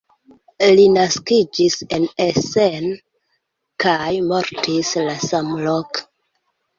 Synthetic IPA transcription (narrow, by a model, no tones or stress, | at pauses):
linaskid͡ʒise̞nesen | kajmo̞ɾtʰislasamlok